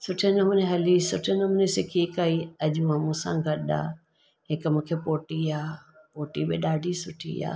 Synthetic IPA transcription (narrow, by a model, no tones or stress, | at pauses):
sʊʈʰenɐmʊneɦɐlisʊʈʰenɐmʊnesɪkʰikaːiɐʄũaːmũːsã̰ɡʱɐɗa̰ː | ɦɪkmũːkʰepoːʈiaːpoːʈibɪɗaːɖʱisʊʈʰḭa̰ː